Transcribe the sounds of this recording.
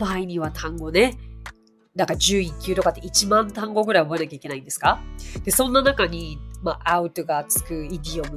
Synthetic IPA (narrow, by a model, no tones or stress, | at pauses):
maiɲ̟iβ̞at̪ʰãŋɡo̞ne̞ | d̪akad͡ʑɨːikʲːɨt̪o̞kat̪ːeit͡ɕimãnt̪ãŋɡo̞ɡɯɾaio̞bo̞e̞nakʲai̥ke̞naĩnd̪e̞sɨ̥kad̪̥e̞sõ̞nːanakaɲ̟imaʔaɯ̟t̪o̞ɡat͡sɨ̥kɯ̟id̪ʲiomɯ